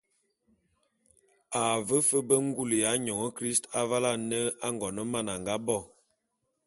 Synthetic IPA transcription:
a˨və˦fə˦bə˦ŋ˦ɡu˦˨lja˨˦ɲɔ˨ŋə˦kɾi˦sta˦va˦la˦˨nə˦a˦ŋɡɔ˨nə˦ma˦˨na˨ŋɡa˦bɔ˦˨

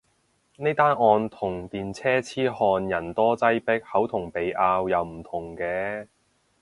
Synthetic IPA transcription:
ne˥t̪aː˥nʔɔː˧nt̪ʰʊ˨˩ŋt̪iː˨nt͡sʰɛː˥t͡sʰiː˥hɔː˧njɐ˨˩nt̪ɔː˥t͡sɐ˥jpɪ˥k̚hɐ˨˥wt̪ʰʊ˨˩ŋpe˨jʔaː˧wjɐ˨wm̩˨˩t̪ʰʊ˨˩ŋkɛː˧

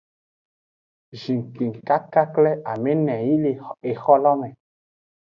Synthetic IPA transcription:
ʒi˨ŋ˨ki˨ŋ˨ka˦ka˦klɛ˦ʔa˨me˦nɛ̃˨ji˦le˨e˨xɔ˦lɔ˦mɛ̃˨

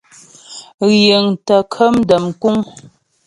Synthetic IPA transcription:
ɣje˨ŋtə˨kʰə˦mdə˨mku˦ŋ

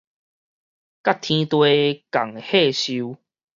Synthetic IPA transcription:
ka˦t̪ʰĩ˧t̪we˧ka˨˩ŋehe˥˧ɕiu˧u

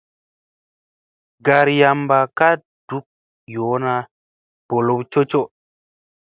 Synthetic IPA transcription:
ɡa˨ɾja˧mba˨ka˦ | d̥u˦k̚ | jo˨˦na˦ | b̥o˨lo˦bt͡ʃo˦t͡ʃo˦

